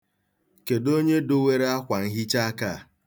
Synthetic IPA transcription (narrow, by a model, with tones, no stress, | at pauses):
ke˨do˦ɲe˦do˦we˦ɾe˦a˦kʷa˨ŋ̩˦ɦi˦t͡ʃa˦ka˦˨